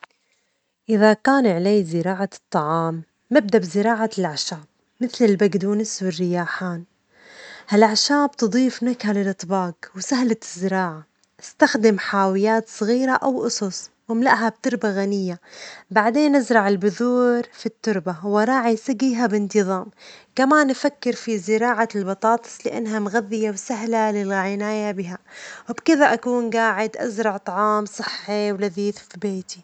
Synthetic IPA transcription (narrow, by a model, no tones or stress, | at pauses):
ʔɪðakaːnʕleːzɪɾɑːʕat̪ˤːɑʕɑːmː | ɪb̚d̪abzɪɾɑːʕalʔaʕʃaːb̥̚ | mɪθlɪlbaɡd̪uːnɪswɪrːɪjaːħaːn | halʔaʕʃaːbt̪ɨd̪ˤiːfnakhalɪlʔɨt̪ˤbɑːɡwsaɦlaɪzːɪɾɑːʕa | ɪst̪axd̪ɪmħaːwɪjaːt̪sˤɨɣiːɾaʔawʔʊsˤɑsˤ | wɪmlaʔɦab̚t̪ʊɾˤbaɣanɪjːabaʕd̪eːnʔazɾˤɑʕɪlbʊðuːɾfit̪ːʊɾbawɑɾˤɑːʕisaɡiːɦabɪnt̪ɨðˤɑːmkamaːnːfakːɪɾfizɪɾɑːʕalbɑt̪ˤɑːt̪ˤɨ̥sˤlɪʔa̰nːɦamɣaðːɪjawsaɦlalɪlʕɪnaːjabɪɦawɪbkɪðaʔakuːnɡaːʕɪd̪ʔa̰zɾˤɑʕt̪ˤɑʕɑːmsˤɨħːiwlaðiːθfibeːt̪i